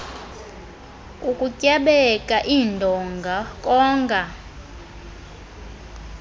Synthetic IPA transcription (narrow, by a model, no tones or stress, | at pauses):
ukʼucʼaɓɛkʼaʔiːndʱɔŋɡʱakʼɔːŋɡʱa